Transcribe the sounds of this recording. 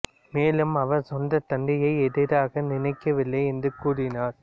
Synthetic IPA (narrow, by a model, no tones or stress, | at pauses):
meːlɯmɐʋɐɾsɔndɐt̪ɐɳɖɪjɐɪɛðɪɾaːɣɐnɪnɐɪkːɐʋɪlːɐɪɛndrɯkuːɽɪnaːɾ